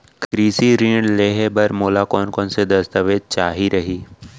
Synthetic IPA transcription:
kɾiːsiɾĩːɳleːɦebɐɾmoːlakɔːnkɔːnsed̪ɐst̪əʋeːd̪̚t͡ʃaːɦiɾɐɦiː

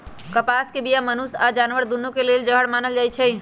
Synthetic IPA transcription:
kəpaskebijamənusad͡ʒaːnʋəɾd̪unːũkeleːld͡ʒəɦəɽmaːnəld͡ʒaːjt͡ʃʰɛ

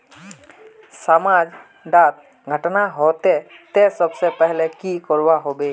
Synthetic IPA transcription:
samad͡ʒ | ɖaːt̪̚ | ɡʱəʈnaɦot̪et̪esəbsepɛɦlekikɔɾwaɦobeː

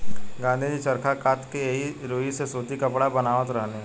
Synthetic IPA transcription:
ɡãːnd̪ʱid͡ʒit͡ʃɐɾkʰakaːt̪kejɦiɾoːɦisesoːt̪ikɐpɽabɐnaːʋət̪ɾɐɦneɦɛ

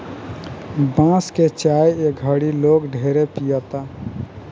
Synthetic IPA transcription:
bãsket͡ʃajeɡʱəɽilokɖʱeɾepijət̪a

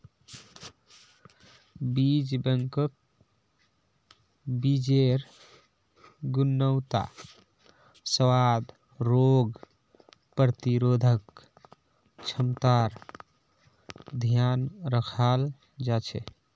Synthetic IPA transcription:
bid͡ʒbəŋkək̚ | bid͡ʒeɾ | ɡunːəwt̪a̰ | səwad̪ | ɾoɡ | pɾət̪iɾod̪ʱək | t͡ʃʰəmt̪aɾ | d̪ʱjanɾəkʰal | d͡ʒat͡ʃʰɛ̰

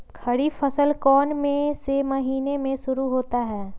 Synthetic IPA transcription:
kʰɐɽipʰəsəlkɔːnmẽsemɐɦiːnemẽʃʊɾuɦoːt̪aɦɛː

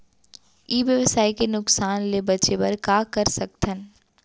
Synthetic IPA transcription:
iːʋjəʋəsaːikenʊksaːnlebɐt͡ʃebɐɾkaːkɐɾsɐk̚t̪ʰən

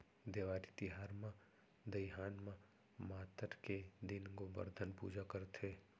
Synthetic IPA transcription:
d̪eːʋaːɾit̪ɪɦaːɾmã | d̪əjɦaːnmã | maːt̪əɾked̪ɪnɡobə̰ɾd̪ʱənpṵːd͡ʒakəɾt̪ʰeː

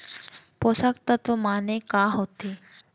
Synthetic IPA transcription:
posakt̪ət̪omanekaɦot̪e

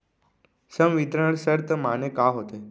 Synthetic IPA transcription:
səmʋit̪ɾəɳsəɾt̪ʰəmanekaɦot̪e

